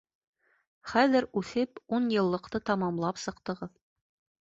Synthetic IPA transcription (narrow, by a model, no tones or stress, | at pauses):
χæðɘɾʉθɘpunjɤ̆lˠːɤ̆qt̪ɤt̪ɑmɑmlˠɑpsɤ̆qt̪ɤ̆ʁɤð